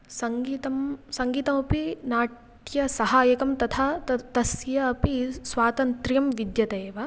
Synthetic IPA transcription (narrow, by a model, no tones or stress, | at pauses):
sɐŋɡiːt̪ɐmsɐŋɡiːt̪ɐmɐpinaːʈ | jɐsɐɦaːjɐkɐmt̪ɐt̪ʰat̪ɐsjɐːpisʋaːt̪ɐnt̪ɾjɐmʋid̪jɐt̪ɐeːʋɐ